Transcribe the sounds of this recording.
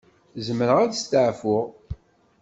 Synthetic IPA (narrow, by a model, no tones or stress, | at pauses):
zəməɾəʁæd̪st̪əʕfʊʁ